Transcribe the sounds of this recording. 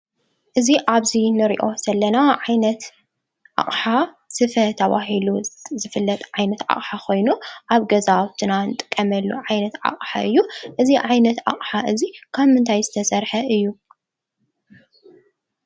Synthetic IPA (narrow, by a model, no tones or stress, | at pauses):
ʔɨziʔaβzinɨɾḭʔo̞z̥ɐlːɐnaʕajnɐt̪ | ʔa̰χʼħa | sɨfɐt̪ʰɐβa̰ɦiluzɨfɨlːɐt̪ʼʕajnɐt̪ʕa̰χʼħakʰo̞jnuʔaβɡɐzawt̪ʰɨnanɨt̪ʼɨkʼːɐmɐlːṵʕajnɐt̪ʕa̰χʼħa̰ʔɨ̰jːuʔɨziʕajnɐt̪a̰χʼħaʔɨzikʰaβmɨnt̪ʰajzɨt̪ʰɐsɐɾħɐɨjːu